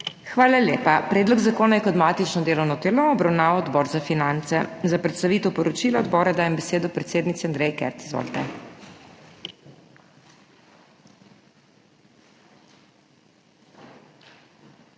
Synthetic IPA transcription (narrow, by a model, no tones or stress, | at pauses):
xʋaːlaljeːpapɾɛːd̪lɔɡzakoːnajɛkɔt̪maːt̪it͡ʃnɔd̪eːlɔwnɔd̪eːlɔɔbɾawnaːʋɔd̪bɔːɾzafinant̪sɛzapɾɛt̪st̪aʋiːt̪ɛwpɔɾɔt͡ʃilaɔd̪bɔːɾad̪aːjɛmbɛseːd̪ɔpɾɛt̪seːd̪nit̪iand̪ɾɛjkɛ̰ɾt̪i̥zʋɔ̰lt̪ɛ